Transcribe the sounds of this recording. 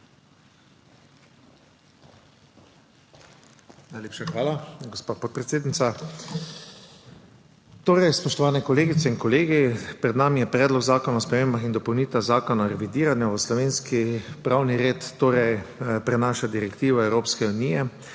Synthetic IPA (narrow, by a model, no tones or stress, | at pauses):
najleːpʃaxʋaːlaɡɔspaːpɔt̪̚pɾɛt̪seːd̪nit̪sa | t̪oːɾɛjspɔʃt̪ɔʋaːnɛkɔleːɡit̪sɛinkɔleːɡipɾɛd̪naːmijɛpɾɛːd̪lɔɡzaːkɔnaɔspɾɛmeːmbaxind̪ɔpɔwniːt̪azaːkɔnaɾɛʋid̪iːɾanjaʋəslɔʋeːnskipɾawniɾeːt̪ːoːɾɛjpɾɛnaːʃad̪iɾɛkt̪iːʋɔɛwɾoːpskɛunijɛ